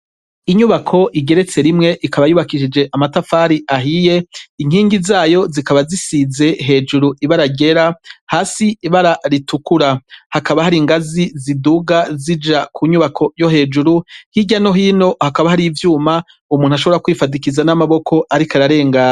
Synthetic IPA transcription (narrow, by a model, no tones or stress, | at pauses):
iɲuβakʰo̞ʔiɡe̞ɾe̞t͡se̞ɾimŋe̞ʔikaβajuːβakiʃid͡ʒe̞ʔamatafaːɾiaɦije̞iŋiːŋɡizaːjo̞zikaβazisize̞ɦe̞ːd͡ʒuɾuʔiβaɾaɡe̞ɾahaːsiːβaɾaɾitukuɾahakaβahaɾiŋɡaziziduɡazid͡ʒakʰuɲuβakʰo̞jo̞ɦe̞ːd͡ʒuɾuhiɟano̞ɦiːno̞hakaβahaɾivjuːma | umuːnuaʃoβoɾakwifadikizanamaβo̞kʰo̞ʔaɾikaɾaɾe̞ːŋɡa